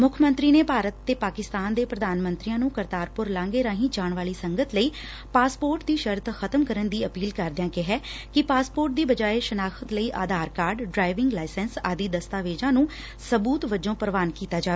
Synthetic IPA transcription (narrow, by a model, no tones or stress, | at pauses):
mʊkʰmə̃nt̪ɾiːneːpaːɾət̪ːeːpaːkɪst̪aːnd̪eːpɾəd̪aːnmə̃nt̪ɾijãːnũːkəɾt̪aːɾpʊɾlãːŋɡeːɾãːɦĩːd͡ʒaːɳʋaːliːsəŋɡət̪ləiː | paːspoːɾʈ̚d̪iːʃəɾt̪xʰət̪əmkəɾənd̪iːəpiːlkəɾd̪ɪjãːkɪɦɛːkɪpaːspoːɾʈ̚d̪iːbəd͡ʒaːeʃənaːkʰət̪ləiːʔa̰ːd̪ʱaːɾkaːɾɖɖɾaːɪʋɪŋɡlaːɪsɛnsaːd̪iːd̪əst̪aːʋeːd͡ʒãːnũː | səbuːt̪ʋəd͡ʒõːpəɾəʋaːnkiːt̪aːd͡ʒaːe